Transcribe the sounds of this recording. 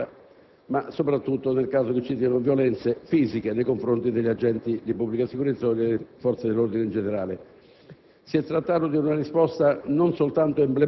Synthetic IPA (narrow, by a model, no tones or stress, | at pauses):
a | masopɾat̪ːut̪ːonelkaːzok̟et͡ʃːit̪iːanovjolɛnt̪sefiːzikenejkoɱfɾont̪id̪eʎːad͡ʒɛnt̪id̪ipubːlikasikuɾet̪sːaod̪elːefɔrt̪sed̪elːord̪inend͡ʒeneɾaːle | siɛt̪ːɾat̪ːaːt̪od̪iunarispɔst̪anonsolt̪ant̪oemble